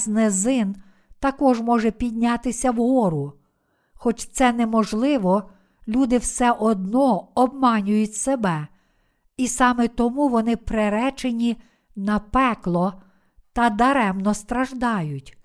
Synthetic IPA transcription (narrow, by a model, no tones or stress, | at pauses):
znezɪn | t̪ɐkɔʒmɔʒɛpʲid̪̚ʲnʲɑt̪ɪsʲɐwɦɔɾʊ | xɔt͡ʃt̪sɛnɛmɔʒlˠɪʋɔ | lʲud̪ɪwsɛʔɔd̪nɔɔb̚mɑnʲʊjʊtʲsebɛ | isɑmɛt̪ɔmuʋɔnɪpɾeɾɛt͡ʃenʲi | nɐpɛklˠɔ | t̪ɐd̪ɐɾɛmnɔst̪ɾɐʒd̪ɑjʊtʲ